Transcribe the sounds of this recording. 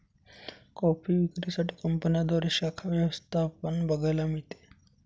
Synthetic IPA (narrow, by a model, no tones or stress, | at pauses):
kɔpʰiːʋikɾisaʈʰi̥ːkəmpənjad̪aɾeʃakʰaʋjəʋəst̪ʰapənbəɡəjlamiɭt̪e̥